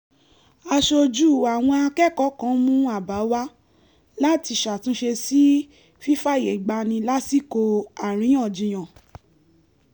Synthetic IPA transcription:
a˧ʃo˧d͡ʒu˦˨a˨w̃ɔ̃˧a˧kɛ˦˨kɔ˨˦kã˨˦mũ˦a˦˨ba˨˦wa˦ | la˦ti˧ʃa˨tũ˦ʃe˧si˦ | fi˦fa˦˨je˨ɡ͡ba˧nĩ˧la˦si˦˨ko˧a˨ɾ̃ĩ˨˦ã˦˨d͡ʒĩ˨˧j̃ã˨

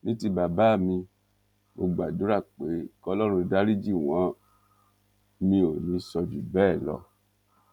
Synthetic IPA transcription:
nĩ˦ti˧ba˨ba˨˦˨mĩ˧ | mo˧ɡ͡ba˨du˨˦ɾa˦˨k͡pe˨˦kɔ˧˦lɔ˦ɾ̃ũ˧da˦ɾi˦d͡ʒi˦˨w̃ɔ̃˨˦ | mĩ˧o˨nĩ˨˧˦sɔ˧d͡ʒu˨bɛː˦˨lɔ̰˧

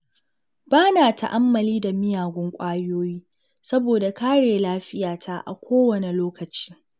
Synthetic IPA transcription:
baː˦naː˨ta̰˦ʔa˦mːɐ˨liː˦da˨mɪ˦jaː˨ɡʷɔ˦ŋkʷʼaː˦joː˦jiː˦ | sɐ˦boː˨da˨kaː˦ɽeː˨laː˦ɸɪ˦jaː˨tʰa˦ʔa̰˨kʷʰoː˦wɐ˨ne˨loː˦kɐ˨t͡ʃi̥ː˦

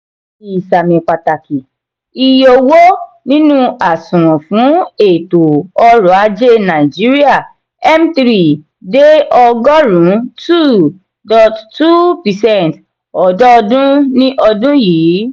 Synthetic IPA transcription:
i˨sa˨mĩ˨k͡pa˨ta˨ki˨ | i˧jo˧wo˦ | nĩ˦nũ˦a˨sũ˨ɾ̃ɔ̃˨fũ˨˦e˨to˨ɔ˧ɾɔ˨a˧d͡ʒe˦nã˨d͡ʒi˨˦ɾi˦a˦˨ | ɛ˦m̩˦t̪ɾi˦˨ | de˦ɔ˧ɡɔ˦ɾũ˨˦tʰu˦˨ | dɔ˨ttu˦pi˨sɛ˦˨nt | ɔ˨dɔ˦ɔ˧dũ˦nĩ˦ʔɔ˧dũ˦jiː˨˦

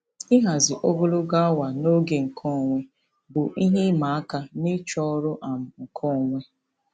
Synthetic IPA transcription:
i˦ɦa˨zɪ˨ʔo˦ɡʊ˦lʊ˦ɡa˦a˦wa˨no˦ɡe˨ŋ̩˨kʰɔ˦˨ŋʷe˦ | bʊ˨ʔi˦ɦe˦ma˨a˦ka˦nɪ˦t͡ʃɔ˦ɾʊ˦ʔa˨m̩˨ŋ̩˨kʰɔ˦˨ŋʷe˦

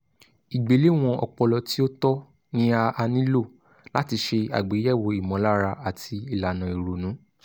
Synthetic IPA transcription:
i˨ɡ͡be˨˦le˦˨w̃ɔ̃˧ɔ̰˧˨k͡pɔ˧lɔ˧ti˦o˦tɔ˦ | nĩ˦a˧a˧nĩ˦lo˦˨ | la˦ti˧ʃe˧a̰˨ɡ͡be˨˦jɛ˦˨wo˧i˨mɔ̃˨˦la˦ɾa˧a˨tʰi˧i˨la˨nã˨i˨ɾo˨nũ˨˦

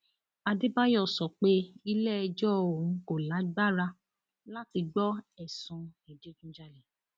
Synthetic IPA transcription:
a˧de˦ba˦jɔ˦˨sɔ˨k͡pe˦i˧lɛ˦ɛ˧d͡ʒɔ˦o˨˦ko˨la˨˦ɡ͡ba˦ɾa˧ | la˦ti˧ɡ͡bɔ˦ɛ˦˨sũ˧i˨d͡ʒe˨˦d͡ʒũ˦d͡ʒa˦˨lɛ˨

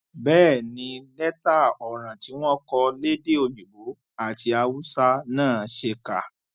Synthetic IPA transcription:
bɛː˦˨nĩ˧lɛ˦ta˦˨ɔ˨ɾ̃ã˨ti˨˦w̃ɔ̃˦kɔ˧le˦de˦o˧˨ɲũ˨bo˨˦ | a˦˨ti˧a˧wu˦sa˦nãː˦˨ʃe˧ka˨

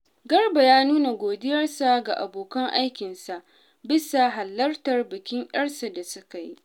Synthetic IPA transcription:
ɡɐ˦rba˨jaː˦nuː˦na˨ɡʷoː˨dɪ˦jɐ˦rsa˨ɡa˨ʔa̰˨boː˨kɐ˦ŋʔa˦jkʲɪ˨nsa˨ʔ | bɪ˦sa˨ɦa˨lːɐ˦rtɐ˨rbɪ˨kʲɪ˦ŋʔj̰ʲɐ˦rsa˨da˨sʊ˦ka˨jḭ˦

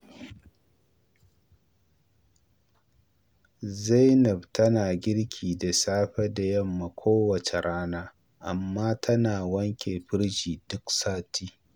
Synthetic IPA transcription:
za˦jnɐ˨btʰɐ˦naː˨ɡʲɪ˦ɽkʲʰiː˨da˨saː˦ɸɛ˦da˨jɐ˦˨mːa˨kʷʰoː˦wɐ˨t͡ʃe˨ɽaː˦naː˦ | ʔa˨mːaː˦tʰɐ˦naː˨wɐ˦ŋkʲʰeː˨ɸɪ˦ɽʃiː˨dʊ˦ksaː˦tʰiː˦

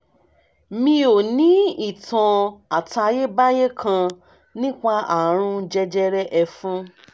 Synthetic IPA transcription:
mĩ˧o˨nĩ˨˦i˦˨tʰã˨˧a˨ta˧je˦ba˦je˦kʰã˧ | nĩ˦k͡pa˧a˨ɾ̃ũ˧d͡ʒɛ˧d͡ʒɛ˦ɾɛ˦ʔɛ˧fũ˦

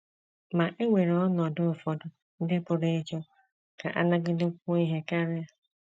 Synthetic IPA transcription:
ma˨ʔe˦ŋʷe˨ɾe˨ɔ˦nɔ˨dʊ˦ʊ˨fɔ˨dʊ˨ | n̩˦dɪ˦pʊ˨ɾe˦e˦t͡ʃɔ˦ | ka˨ʔa̰˦na˦ɡɪ˦dɪ˦o˦i˦ɦe˦ka˦ɾɪ˦a˦

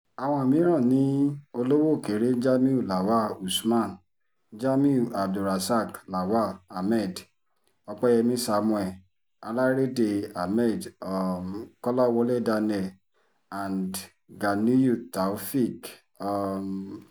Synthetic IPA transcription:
a˨w̃ɔ̃˧˨mĩ˨˦ɾ̃ɔ̃˦˨nĩ˨˦o˧lo˦wo˦˨ke˨˦ɾe˦d͡ʒa˦mĩ˦u˦˨la˨wa˦˨u˨smã˦˨n | d͡ʒa˦mĩ˦u˨a˨b̚du˨ɾa˨sa˦˨kla˨wa˦˨a˨mɛ˦˨d | ɔ˧k͡pɛ˦jɛ˧mĩ˦sa˧mũ˧ɛ˨ | a˧la˦ɾe˦de˧a˨mɛ˦˨dɔ˨m˨kɔ˦lɔ˦˨wɔ˧˦lɛ˦˨da˧nɛ˨ | ã˨nd | ɡa˨nĩ˦ju˦˨ta˨u˦fi˦˨k | ɔ˨m

